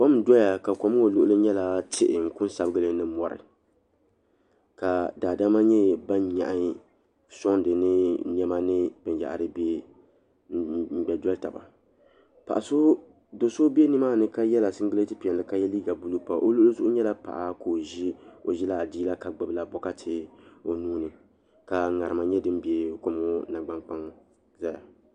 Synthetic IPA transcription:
kɔ˦m˦dɔ˦ja˨ka˨kɔ˦m˦o˨lʊ˦ʔlɨ˦ɲɛ˦la˦tʰɪ̰˨ʔɪ˨ŋ̩˨kʊ˦n˦sa˨bɨ˦ɡɨ˦lɨ˦nɨ˦mɔ˨ɾɨ̰˨ | ka˨daː˨da˦ma˦ɲɛ˦ba˦nɲa̰˨ʔa˦ | sɔ˦ŋndɨ˨nɨ˦n˦ɛ˦ma˦nɨ˦b̥ɨ˨nja̰˨ʔɾɨ˦bɛ˦˨ | m̩˨ɡ͡bɛ˨dɔ˦lta˨ba̰˨ | pa˨ʔa˨so˦ | do˨so˦bɛ˦nɨ˦maː˦˨nɨ˦ka˦jɛ˦la˨sɨ˦n˦ɡɨ˦le˦tɨ˦pi˨ɛ˨nlɨ˦ka˦jɛ˦li˦ɡa˨bu˦lu˦pa˨ʔo˦lo˦lo˦zʊ˦ʔʊ˦ɲɛ˦la˦pa̰˨ʔa˨ko˨ʒi˦o˨ʒi˦la˨diː˦la˦ka˨ɡ͡bɨ˦bla˨bɔ˦ka˦tʰɪ˨o˨nuː˦nɨ˨ | ka˨ŋa˨ɾɨ˨ma˨ɲɛ˦dɨ˦m˦be˨ko˨m˦o˦na˨ɡ͡ba˨ŋk͡pa˦ŋ | za˦ja˨

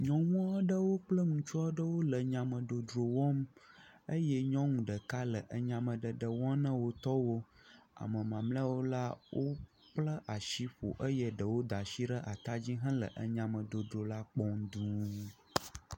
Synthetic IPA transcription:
ɲɔ̃˨ŋũ˦ã˦ɖə˦wo˦k͡plə˦ŋũ˨t͡ʃɔ˦ɖə˦wo˦lə˨ɲã˨mə̃˨ɖo˨ɖɾo˨wɔ̃˦m | ə˦jɛ˦ɲɔ̃˦ŋũ˨ɖə˨ka˦lə˨ʔə˨ɲã˨mə̃˨ɖə˨ɖə˨wɔ̃˦nə̃˦wo˦t̪ɔ˦wo˦a̰˨mə̃˨mã˨ml̃wo˦la˦wʔo˦ | k͡plə˦ʔa˨ʃi˦ɸo̰˨ʔə˦jə˨ɖə˨wo˦d̪a˨ʃi˦ɖə˦ʔa˨t̪a˦d͡ʑi˦ɦɛ̃˦lə̰˨ʔə̰˨ɲã˨mə̃˨ɖo˨ɖɾo˨la˦k͡pɔ˦ŋd̪ũ˦

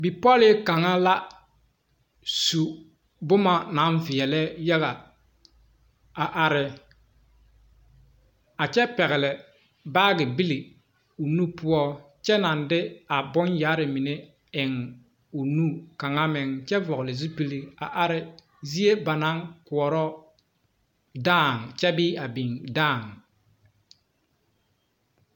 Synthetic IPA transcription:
bi˨pɔ˦lɪ˦ka˨ŋa˦la˦ | su˨ | bʊ˦ma˨na˨˦nvɪ˨ɛ˨lɛ˦ja˦ɣa˨ | a˨ʔa˨ɾɪ˨ | a˨t͡ʃɛ˦pɛ˨ɣɪ˨lɪ˨ | baː˦ɡɪ˨bi˦li˨ | u˨nu˦pʊ˦ɔ˦ | t͡ʃɛ˦na˨ndɪ˦a˨bʊ˦njaː˨˦ɾɪ˨mi˨ne˦ | ɪ˨ŋ | u˨nu˦ka˨ŋa˦mɪ˨ŋt͡ʃɛ˦vɔ˨ɣʊ˨lɪ˨zu˦pi˦li˦a̰˨ʔa˨ɾɪ˨ | zi˦e˦ba˨na˦ŋkʊ˨ɔ˨ɾɔ˦ | daː˦˨ŋ˨t͡ʃɛ˦biː˦a˨bi˨ŋdaː˦˨ŋ

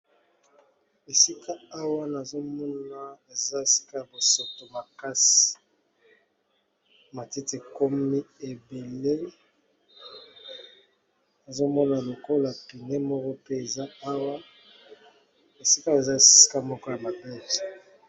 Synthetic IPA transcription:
e˨si˦kʰa˦a˦wa˦na˨zo˦mɔ˦na˨e˨za˦e˨si̥˦ka˦˨bo˨so˨to˨ma˨ka˦si̥˨ | ma˨ti˦te˨ko˦mi˦e˨be˨le˦ | na˨zo˦mɔ˦na˨lo˨ko˦la˨pi˨ne˦mɔ˦kɔ˦pe˦e˨za˦a˦wa˦ | e˨si˦ka˦e˨za˦˨ssi̥˦ka˦mɔ˦ko˦ja˨ma˨be˦˨zi̥˨

